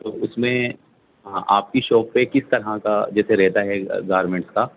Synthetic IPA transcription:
t̪oːʊsmẽ | aːp̚kiʃɔːpːekɪst̪ɐɾɦãkad͡ʒɛːseɾɛɦt̪aɦɛɡaːɾmẽɳʈska

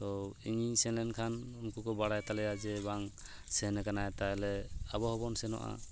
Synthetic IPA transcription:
t̪ɔiŋisɛnlɛnkʰanunkukɔbaɽajt̪alɛjad͡ʒɛbaŋ | sɛɦnɛkanajt̪ajlɛabɔhɔbɔnsɛnɔ̰ʔa̰

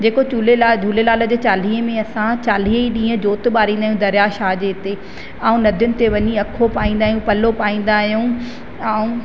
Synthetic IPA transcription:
d͡ʑeːkot͡ɕuːlelad͡ʑʱuːlelaːlə̆d͡ʑeːt͡ɕaːl̤iːɦəmẽɐsãt͡ɕaːl̤iɦiɗĩːə̃d͡ʑoːt̪ɓaːɾĩːnd̪aːɦjũd̪ɐɾjaʃaːd͡ʑeɪt̪e | aːũnɐd̪ʱjʊnɪ̆t̪eʋɐɲiɐkʰopaːĩːnd̪aːɦijũpɐlopaːĩːn̆d̪aːɦijũ | aũ

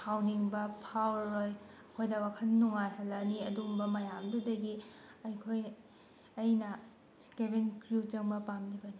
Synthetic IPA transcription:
pʰawniŋbɐpʰawɾojɐkʰojdɐwakʰɐnːuŋajɦɐlːɐniɐdumbɐmɐjamdudɐɡiɐjkʰoj | ɐjnɐ | kebenkɾut͡ʃɐŋbɐpamlibɐni

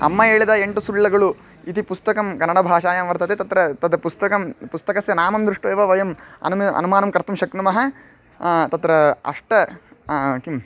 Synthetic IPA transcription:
ɐ̰mːɐeːɭid̪ɐeɳʈusuɭːɐɡɐɭu | it̪ipust̪ɐkɐmkɐnːɐɽɐbʱaːʃaːjamʋɐɾt̪ɐt̪et̪ɐt̪ɾɐt̪ɐd̪ɐpust̪ɐkɐmpust̪ɐkɐsjɐnaːmɐmd̪ɾiʂʈuʋeːʋɐʋɐjɐmɐ̰nɐ̰numaːnɐmkɐɾt̪umʃɐknumɐɦɐ | t̪ɐt̪ɾɐɐ̰ʂʈɐ | kim

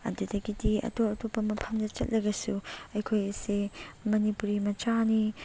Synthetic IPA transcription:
ɐ̰dudɐɡidiɐ̰toɐtopːɐmɐpʰɐmdɐt͡ʃɐ̰t̚lɐɡɐsuɐjkʰojsemɐnipuɾimɐt͡ʃani

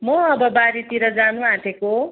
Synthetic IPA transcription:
mʌʌbʌbaɾit̪iɾʌd͡zanũãʈ̪ʰeko

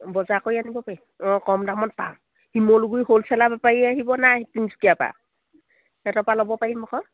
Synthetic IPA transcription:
bɔzakojanibɔpaɹi | ɔkɔmdamɔt̚pã | himoluɡujholsʰɛlabapaɹiaɦibɔnatinskijapa̰ | ɛtɔpalɔbɔpaɹimɔkɔ

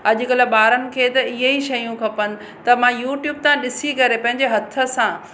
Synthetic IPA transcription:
ɐʄʊ̆kɐləɓaːɾənɪ̆kʰeːt̪ɐɪɦeiʃɐjũkʰɐpənɪ̆ | t̪ɐmãjuːʈjuːb̚t̪ʰãɗɪsikɐɾepɐ̃ɦɪ̃ɲ̆d͡ʑeɦɐt̪ʰə̆sãː

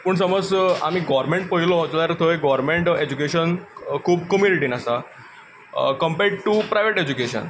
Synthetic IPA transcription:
pəɳsəməd͡za̰miɡɔʋɾmẽɳʈ̚pəɦilɔt̪ɔaɾt̪ʰoeɡɔɾmẽɳʈed͡ʑukeɕənkʰuːb̚kəmjuniʈinasa | kəmpeɖʈupɾajʋeʈed͡ʑukeɕə̰n

